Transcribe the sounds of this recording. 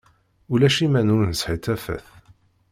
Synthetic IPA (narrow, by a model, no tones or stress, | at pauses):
ulæʃimænʊɾnəsħit̪æfæ̰θ